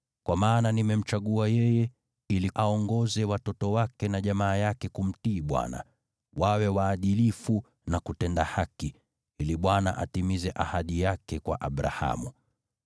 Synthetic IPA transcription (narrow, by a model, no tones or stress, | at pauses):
kwamaːnanimɛm̩t͡ʃaɠuajɛjɛ | iliʔaɔŋɡɔzɛwatɔtɔwakɛnaʄamaːjakɛkum̩tiːɓwa̰na̰ | wawɛwaːɗilifu | nakutɛndahaki | iliɓwana̰ʔa̰timizɛʔahaɗijakɛkwa̰ʔaɓɾa̰ha̰mu